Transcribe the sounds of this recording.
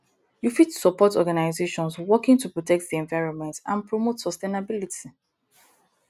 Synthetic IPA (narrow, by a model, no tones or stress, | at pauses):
jufitsɔpɔtɔɡanaɪzeʃɔ̃nswɔkɪ̃ŋtupɹɔtʰɛk̚tðiɛ̃ɱvaɪɹɔ̃nmɛ̃ntã̰npɹɔmotsɔstenabilitʰi